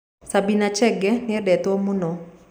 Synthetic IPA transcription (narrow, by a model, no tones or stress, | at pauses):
sabinat͡ʃɛɡɛnɪɛdɛt̪ɔmunɔ